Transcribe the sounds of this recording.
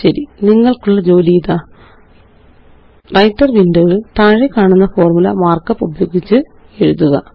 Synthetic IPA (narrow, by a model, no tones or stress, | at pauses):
ɕɐɾiniŋːɐɭkuɭːɐd͡ʑo̞ːliːiðɐ | rɐjtːɐrʋinduɣiɭt̪aːɻekaːɳunːɐfo̞ːrmulɐ̰maːrkɐpːubjoːɡit͡ɕːɨ | e̞ɻuðɐɣɐ